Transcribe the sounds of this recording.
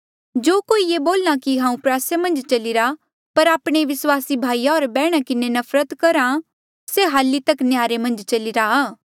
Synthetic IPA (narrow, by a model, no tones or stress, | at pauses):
d͡ʒoːkoːijeboːlnakiɦãːũpɾaːsemɐ̃nd͡ʒt͡ʃɐlɪɾa | pɐɾaːpɽ̃eʋɪswaːsibʱaːijaoːɾbɛːɽ̃akɪnenɐfʰɾət̪kɐɾã | seɦaːlːit̪ɐknjaːɾemɐ̃nd͡ʒt͡ʃɐlɪɾaaː